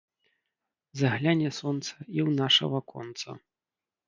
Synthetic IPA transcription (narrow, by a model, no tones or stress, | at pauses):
zɐɣlʲanʲɛsɔnt̪sɐiwnaʂɐ̰vɐkɔ̰nt̪sɐ̰